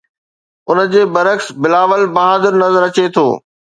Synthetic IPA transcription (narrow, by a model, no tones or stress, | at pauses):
ʊnə̆d͡ʑeːbɐɾəksbɪlaːʋəlbɐɦaːd̪ɪɾnɐzəɾɐt͡ɕet̪ʰo̰ː